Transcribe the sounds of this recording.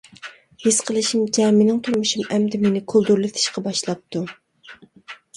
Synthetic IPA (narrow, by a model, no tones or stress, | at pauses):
hesqʰəlˠɨʃimd͡ʒɛmɪnɪŋt̪ʰuɾmuʃumɛmd̪ɪmenɪkʰolˠd̪uɾlˠɨt̪ʰɪ̥ʃqɑbɑʃlˠɑp̚t̪ʰːu